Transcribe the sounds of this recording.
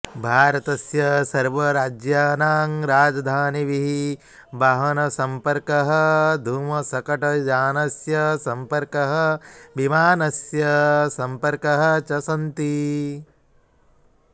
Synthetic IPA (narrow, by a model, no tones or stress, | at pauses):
bʱaːɾɐt̪ɐsjɐsɐɾʋɐɾaːd͡ʒjaːnaːŋɾaːd͡ʒɐd̪ʱaːniʋiɦi | bɐɦɐnɐsɐmpɐɾkɐɦɐ̆d̪ʱuːmɐsɐkɐʈɐd͡ʒaːnɐsjɐsɐmpɐɾkɐɦɐ̆bimaːnɐsjɐsɐmpɐɾkɐɦɐ̆t͡ʃɐsɐnt̪i